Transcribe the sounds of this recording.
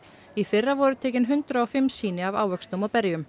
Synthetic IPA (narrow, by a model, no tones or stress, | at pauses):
ifɪrːavɔɾʏt̪ʰɛːcɪnɦʏnt̪ɾaɔfɪmːsiːnɪava̰ːwvœkst̪umɔpɛɾjʏm